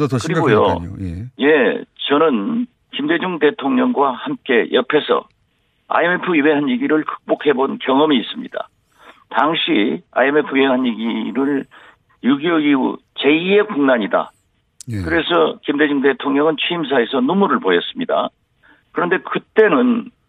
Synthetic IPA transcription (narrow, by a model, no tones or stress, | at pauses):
kɯɾiɡojo̰ | je̞t͡ɕʌnɯn | kimde̞d͡ʑuŋde̞tʰoŋɲʌŋɡwahamk͈e̞jʔʌpʰe̞sʰʌ̰ | a̰eme̞pʰɯiweɦanjiɡiɾɯɭkɯ̥k̚p͈okʰe̞bonkjʌŋʌmiːs͈ɯmɲid̥a̰ | taŋɕʰia̰eme̞pʰujieɦanjiɡiɾɯɭ | juɡjoiṵt͡ɕe̞ie̞kuŋnaɲida̰ | kɯɾe̞sʰʌkimd̪e̞d͡ʑuŋde̞tʰoŋɲʌŋɯnt͡ɕʰɥiims̬ʰae̞sʰʌnumuɾɯɭpojʌs͈ɯmɲida̰ | kɯɾʌnde̞kɯt͈e̞nɯn